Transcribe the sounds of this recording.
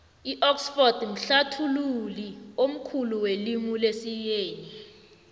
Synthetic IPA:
iʔɔksfɔrd̥m̩ɬatʰululiom̩kʰuluwelimulesijeːni

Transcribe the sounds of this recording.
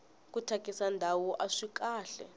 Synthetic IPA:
kutʰakʼisandʱawuʔaʂikaːɬɛ̰

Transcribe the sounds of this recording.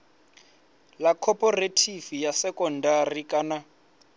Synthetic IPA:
lakʰɔpʼɔretʰifijasɛkɔndarikʼana

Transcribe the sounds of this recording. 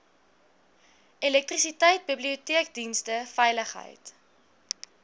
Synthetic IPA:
elɛk̚trisitəjt̚bibliutiək̚dinstəfɛjləχɦə̰jt

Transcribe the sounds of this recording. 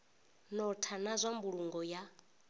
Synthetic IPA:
nɔtʰanazʷambuɺuŋɡɔja

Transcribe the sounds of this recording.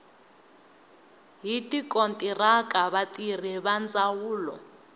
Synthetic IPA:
ɦitʼikʼontʼirakaβatʼir̤iβand͡zʼawuːlɔ̰

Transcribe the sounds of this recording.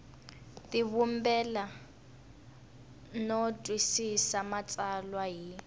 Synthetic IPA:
tʼiβumbɛla | nɔtʼwisisamat͡sʼalwaɦi

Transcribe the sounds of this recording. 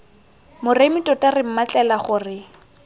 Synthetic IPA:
mʊremɪtʼɔtʼarɪm̩mat͡ɬʼɛlaχʊːrɪ

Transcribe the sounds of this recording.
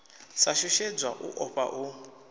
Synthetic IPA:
saʃuʃed͡zwaʔṵʔɔɸa̰ʔu

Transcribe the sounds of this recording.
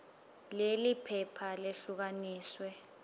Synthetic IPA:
lelipʰɛpʰaleɬuk̬aniːswɛ

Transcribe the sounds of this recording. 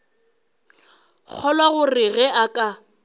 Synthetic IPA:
k͡xʰɔlwaɣʊrɪɣɛʔakʼa

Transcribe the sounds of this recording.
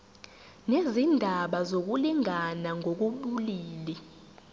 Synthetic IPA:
nezindʱaɓazok̬uliŋanaŋʱok̬uɓuliːli

